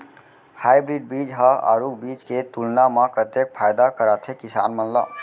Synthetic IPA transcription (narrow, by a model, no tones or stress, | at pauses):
hajbɾiɖ̚bid͡ʒɦəa̰ɾukbit͡ʃket̪ulnaməpɾət̪jek̚pʰajd̪akəɾat̪ʰekisa̰nmənlə̰b